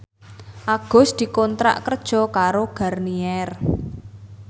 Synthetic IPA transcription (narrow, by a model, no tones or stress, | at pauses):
ʔaɡ̥ɔ̤sd̪̥i̤kɔnt̪ɾa̰ʔkərd̥ʒ̥ɔ̤kaɾoɡ̥ä̤rniɛr